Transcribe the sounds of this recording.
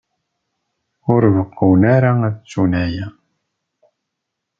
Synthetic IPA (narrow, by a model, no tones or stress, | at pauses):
ʊɾvəqːəwnæɾaæðt͡sːunæjæ